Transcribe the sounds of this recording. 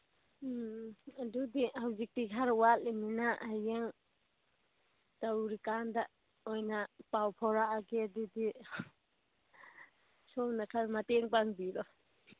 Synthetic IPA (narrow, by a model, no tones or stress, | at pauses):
adudihawzik̚tikʰaɾwaliminaajaŋ | tawɾikanda | ojnapawpʰɔɾaɡeadudi | sɔwnakʰaɾmateŋpaŋbidɔ